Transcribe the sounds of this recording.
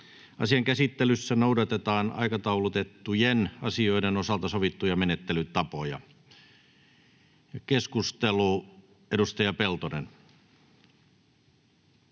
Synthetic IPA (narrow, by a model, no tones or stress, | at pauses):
ɑ̰siɑŋkæsit̪ːelysːænoudɑt̪et̪ɑːnɑ̰ikɑt̪ɑulut̪et̪ːujenɑ̰sio̞idenosɑlt̪ɑsoʋit̪ːujɑmenet̪ːelyt̪ɑpojɑ̰ | jɑkeskust̪elu | edust̪ɑjɑpelt̪onḛn